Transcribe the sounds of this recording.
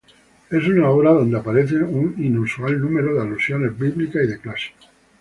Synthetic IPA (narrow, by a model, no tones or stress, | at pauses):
e̞s̬unaoβɾaðo̞nd̪eapaɾeθeuninusualnũme̞ɾoðealusjo̞ne̞zbiβlikasiðeklasi̥